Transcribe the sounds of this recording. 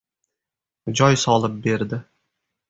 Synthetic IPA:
d͡ʒɒjsɒlˠɪp̚be̞ɾd̪ɪ

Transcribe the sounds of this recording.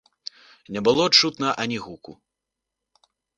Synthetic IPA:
nʲɛbɨlˠɔt͡ʂut̪nɐʔɐnʲiɣuku

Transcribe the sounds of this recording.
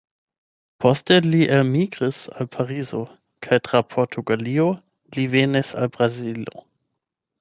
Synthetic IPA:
pʰosteliʔelmiɡʁisalpʰaʁizo | kʰajtʁ̥apʰoɾtʰuɡalio | livenisa̰lbʁazilo̰

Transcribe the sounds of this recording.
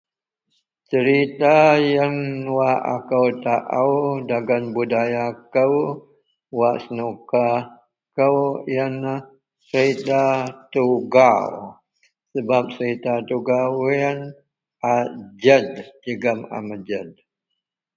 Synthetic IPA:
t͡ʃəɾit̪ajaŋwaʔa̰kəwt̪aʔəwdaɡanbudajakəw | waʔsənuka | kəwjana | səɾit̪at̪uɡaw | səbap̚t͡ʃəɾit̪at̪uɡawin | ʔad͡ʒədd͡ʒəɡama̰mad͡ʒəd̚

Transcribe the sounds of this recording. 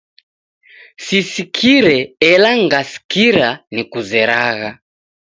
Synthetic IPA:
sisikʰiɾɛɛlaŋɡasi̥kiɾanikuzɛɾaɣa

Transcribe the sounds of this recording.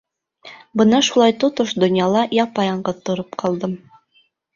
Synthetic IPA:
bɤnɑʃulˠɑjt̪ot̪oʃd̪ŏnjɑlˠɑjɑpɑjɑɴɢɤt̪ŏɾɤpqʰɑlˠd̪ɤm

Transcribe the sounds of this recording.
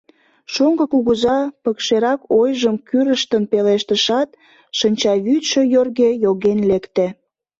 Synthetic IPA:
ʃoŋɡəkuɣəzɑpəkʃeɾɑkojʒəmkyɾəʃt̪ənpeleʃt̪əʃɑt̪̚ | ʃənʲt͡ɕɑβyt̪ʃøjorɣejoɣenlekt̪e

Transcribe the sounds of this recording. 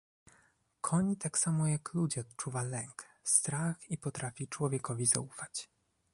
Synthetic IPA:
kʰɔɲt̪aksamɔjaklud͡ʑɛɔt̪t͡ʂuvalɛŋkst̪ɾaxipɔt̪ɾafʲit͡ʂwɔvʲjɛkɔvʲiza̰ufat͡ɕ

